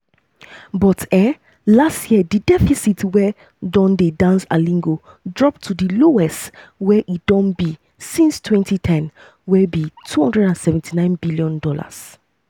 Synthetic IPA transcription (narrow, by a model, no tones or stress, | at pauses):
bɔtɛ | lastʰjididɛfisitwɛ | dɔ̃ndedãnsa̰lĩŋɡo | dɹɔp̚tʰːudiloɛstwɛʔit̚d̥ɔ̃nbi | sĩnstʰwɛ̃ntʰitʰɛ̃n | wɛbitʰuhɔ̃ndɹɛdãnsɛvɛ̃ntʰinãɪ̃nbiljɔ̃ndɔla̰s